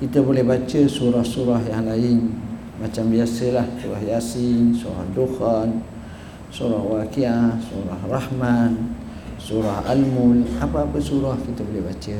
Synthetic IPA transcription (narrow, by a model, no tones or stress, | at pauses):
kit̪abolɛhbat͡ʃəsuɾahsuɾaɦjaŋlaɪn | mat͡ʃambiasəlahsuɾahjasɪŋsuɾa̰hduhan | suɾahwakiahsuɾahrahman | suɾaha̰lmulapaapəsuɾahkit̪abolɛhbat͡ʃə